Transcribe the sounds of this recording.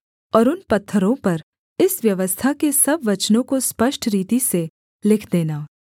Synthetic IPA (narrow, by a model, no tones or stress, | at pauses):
ɔːɾʊnpɐt̪ʰːəɾõpɐɾ | ɪsʋjɐʋəst̪ʰakesɐbʋɐt͡ʃnõkospɐʃʈʰɾiːt̪ise | lɪkʰd̪eːnaː